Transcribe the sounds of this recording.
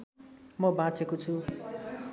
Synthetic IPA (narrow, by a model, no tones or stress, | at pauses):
mʌbãt͡sʰekot͡sʰu